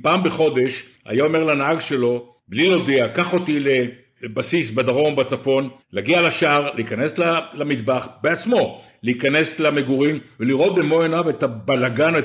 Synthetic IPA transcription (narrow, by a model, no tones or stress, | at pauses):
paːmbeχo̞d̪e̞ʃ | a̰jaome̞ʁlanaaɡʃe̞lo̞ | blilod̪eakaχo̞t̪ile | basisbad̪aʁo̞nbat͡safo̞nlaɡialaʃaʁleikane̞slalamid̪baχbeat͡smo̞ | leikane̞slameɡuʁimveliʁo̞t̪̚bemo̞enavet̪abalaɡane